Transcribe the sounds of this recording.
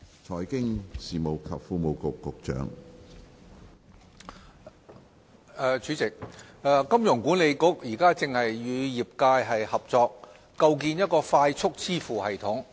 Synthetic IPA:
t͡ʃʰɔː˨˩jkɪ˥ŋsiː˨mo˨˩wkʰɐ˨p̚fuː˧mo˨˧wkʊ˨kːʊ˨k̚t͡ʃœ̰ː˨˥ŋ | ɛː˨˧t͡ʃyː˨˥t͡sɪ˨k̚ɛː˨˧kɐ˥mjʊ˨˩ŋkuː˨˥nle˨˧jkʊ˨˥k̚jiː˨˩kaː˥t͡sɪ˨ŋhɐ˨jɥyː˨˧jiː˨p̚kaː˧jɦɐ˨jhɐ˨p̚t͡sɔː˧k̚ː | ɐ˧wk̬iː˧njɐ˥t̚kɔː˧faː˧jt͡ʃʰʊ˥k̚t͡sʰiː˥fuː˨˩hɐ˨jt̪ʰʊ˨˥ŋ

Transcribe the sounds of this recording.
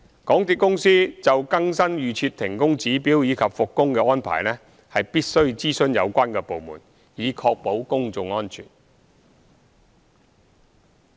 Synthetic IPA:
kɔː˨˥ŋt̪iː˨t̚kʊ˥ŋsiː˥t͡sɐ˨wkɐ˥ŋsɐ˥njyː˨t͡ʃʰyː˧t̚t̪ʰɪ˨˩ŋkʊ˥ŋt͡siː˨˥piː˨˥wjiː˨˧kʰɐ˨p̚fʊ˨kːʊ˥ŋkɛː˧ɔː˥npʰa̰ː˨˩jnɛː˥ | hɐ˨jpiː˥t̚sɵ˥ɥt͡siː˥sɵ˥njɐ̰˨˧wkʷaː˥nkɛː˧po˨wmṵː˨˩n | jiː˨˧kʰɔː˧k̚po˨˥wkʊ˥ŋt͡sʊ˨ŋɔː˥nt͡ʃʰy̰ː˨˩n

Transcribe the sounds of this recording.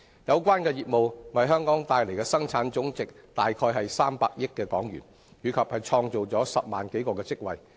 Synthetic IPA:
jɐ˨˧wkʷaː˥nkɛː˧jiː˨t̚mo˨wwɐ˨jɦœː˥ŋkɔː˨˥ŋt̪aː˨˧jle˨˩kɛː˧sɐ˥ŋt͡sʰaː˨˥nt͡sʊ˨˥ŋt͡sɪ˨k̚t̪aː˨jkʰɔː˧jɦɐ˨jsaː˥mpa̰ː˧k̚jɪ˥kːɛː˧kɔː˨˥ŋjyː˨˩n | jyː˨˧kʰɐ˨p̚hɐ˨jt͡ʃʰɔː˧ŋt͡so˨wt͡sɔː˨˥sɐ˨p̚maː˨˩nke˨˥jkɔː˧kɛː˧t͡sɪ˥k̚wɐ̰˨j

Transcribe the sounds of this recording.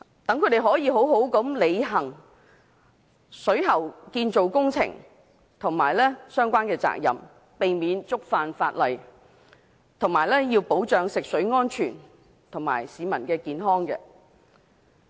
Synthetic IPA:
t̪ɐ˨˥ŋkʰɵ˨˧ɥd̪e˨jɦɔː˨˥jiː˨˧ɦo˨˥wɦo˨˥wkɐ˨˥mle˨˧jɦɐ˨˩ŋ | sɵ˨˥ɥɦɐ˨˩wkiː˧nt͡so˨wkʊ˥ŋt͡sʰɪ̰˨˩ŋ | t̪ʰʊ˨˩ŋmaː˨˩jlɛː˥sœː˥ŋkʷaː˥nkɛː˧t͡sa̰ː˧˨k̚jɐ̰˨m | pe˨jmiː˨˧nt͡sʊ˥k̚faː˨nfa̰ː˧t̚lɐ˨j | t̪ʰʊ˨˩ŋmaː˨˩jlɛː˥jiː˧wpo˨˥wt͡ʃœː˨˧ŋsɪ˨k̚sɵ˨˥ɥŋɔː˥nt͡ʃʰyː˨˩n | t̪ʰʊ˨˩ŋma̰ː˨˩jsiː˨˧mɐ˨˩nkɛː˧kiː˨˧nɦɔː˥ŋkɛ̰ː˧

